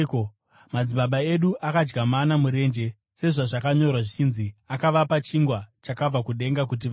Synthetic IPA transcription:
mad͡ziɓaɓae̞ɗuʔakad͡ʒɡamanamuɾe̞ːnd͡ʒe̞ | se̞ʐaʐakaɲo̞rwaʐit͡ʃinziakaʋapat͡ʃiŋɡwat͡ʃakab͡vakuɗe̞ŋɡakut̬iʋa

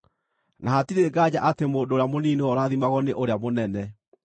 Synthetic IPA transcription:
naɦatiɾeɡad͡ʑaʔatemoːndoːɾeamoniːnewɔɾaːðimaɣɔneʔoɾeamonɛnɛ

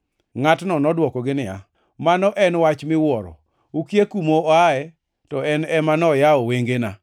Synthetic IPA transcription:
ŋatnɔnɔdwɔkɔɡɪnɪa̰ | manɔʔɛnwat͡ʃmɪwɔɾɔ̰ | ukjekumoɔaɛ | tɔɛnɛmanɔjaɔweŋɡena

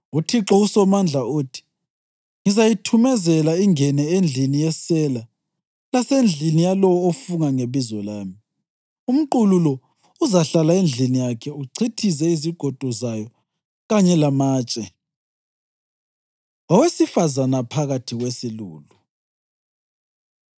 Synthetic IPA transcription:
utʰiǁɔusɔmand͡ɮʱaoːtʰi̥ | ŋizajitʰumɛzɛlaiŋɛnɛend͡ɮʱinijɛsɛla | lasend͡ɮʱinijalɔwɔofuŋaŋeβizɔlaːmi | um̩ǃululɔ | uzaɬalaend͡ɮʱinijakʰɛuǀʰitʰis̬ɛiziɡ̥ʱɔd̥ʱɔzajɔ | ɣaɲɛlamaːt͡ʃʼɛ | wawesifazanapʰaɣatʰiɣwesiluːlu

